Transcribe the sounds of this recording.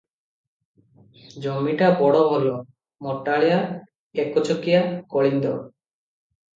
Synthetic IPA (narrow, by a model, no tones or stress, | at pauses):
d͡ʒomːiʈabɔɽɔbʱɔlo | mɔʈːaɭija | ekot͡ʃokijakoɭind̪ɔ